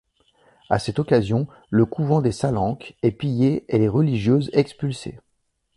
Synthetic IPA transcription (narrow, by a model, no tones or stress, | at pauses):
a̰sɛt̪ɔkazjɔ̃ | ləkʰuvɑ̃d̪esalɑ̃kɛpijeeleʁəliʒjøzɛkspylsḛ